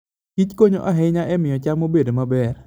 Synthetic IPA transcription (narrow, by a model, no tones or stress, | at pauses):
kit͡ʃkoɲoʔaɦɛɲaʔɛmɪjɔt͡ʃammːobedomabɛr